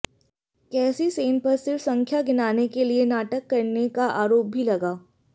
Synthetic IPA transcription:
kɛːsiseːnpɐɾsɪɾfsɐ̃ŋkʰjaɡɪnaːnekelienaːʈəkːɐɾnekaʔaːɾoːp̚bʱilɐɡaː

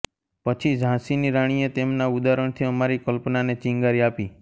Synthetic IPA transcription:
pət͡ʃʰid͡ʒʱãsiniɾaɽ̃iet̪emnaud̪aɾəɳ̃t̪ʰiəmaɾikəlpnanet͡ʃĩŋɡaɾiapi

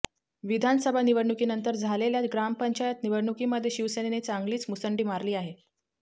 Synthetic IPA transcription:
ʋid̪ʱansəbʱaniʋəɽɳukiːnənt̪əɾd͡zʱaleljat̪ɡɾampəɲt͡ɕajət̪niʋəɽɳukiːməd̪ʱːjeɕiʋsenenet͡saŋɡliːt͡smusəɳɖiːmaɾliːaɦe

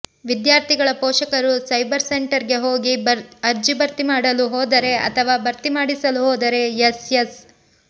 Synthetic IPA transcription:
ʋid̪jaːɾt̪ʰiɡɐɭɐpɔːʃɐkɐɾusɐjbɐɾse̞ɳʈɐɾɡe̞ɦoːɡibɐɐɾd͡ʒibɐɾt̪imaːɽɐluɦɔːd̪ɐɾe̞ɐ̰t̪ʰɐʋaːbɐɾt̪imaːɽisɐluɦɔːd̪ɐɾe̞jesjes

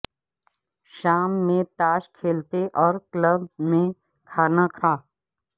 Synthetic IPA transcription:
ʃaːmːẽt̪aːʃkʰeːlt̪eʔɔːɾkləb̚mẽ | kʰaːnakʰaː

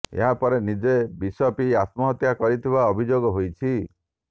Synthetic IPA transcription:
ḛɦapɔɾenid͡ʒebisɔpiat̪mɔɦɔt̪jakɔɾit̪ʰibaɔbʱid͡ʒoɡɔɦojt͡ʃʰi

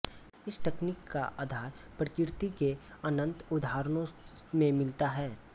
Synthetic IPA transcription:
ɪsʈɛknɪkːa̰ʔa̰ːd̪ʱaːɾ | pɾəkɪɾt̪ikeənə̃nt̪ʊd̪aːɾnõmẽmɪlt̪aɦɛː

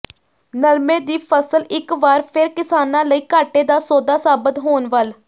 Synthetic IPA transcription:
nəɾmeːd̪iːpʰəsəlɪkʋaːɾpʰɪɾkɪsaːnãːləiːkaːʈeːd̪aːsoːd̪aːsaːbət̪ɦoːnʋəl

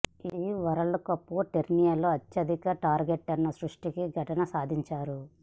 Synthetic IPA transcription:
iʋɐɾɐlukɐpːuʈeɾnijɐloːɐt͡ʃːɐd̪ikɐʈaːɾɡeʈːɐnːɐsɾuʂʈikiɡʱɐʈɐnɐsaːd̪ʱiɲt͡ʃaːɾu

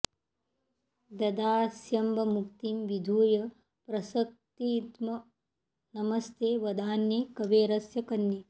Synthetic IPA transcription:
d̪ɐd̪aːsjɐmbɐmukt̪imʋid̪ʱuːjɐ | pɾɐsɐk̚t̪iːt̪mɐ | nɐmɐst̪eːʋɐd̪aːnjekɐʋeːɾɐsjɐkɐnːi

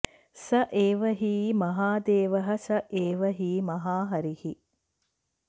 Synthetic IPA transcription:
sɐʔeːʋɐɦiːmɐɦaːd̪eːʋɐɦɐsɐʔeːʋɐɦiːmɐɦaːɦɐɾihi

